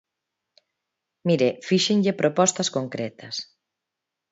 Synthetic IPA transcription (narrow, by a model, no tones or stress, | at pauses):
miɾefiʃɪŋʎɪpɾʔopɔst̪ɐskoŋkɾɛt̪ɐs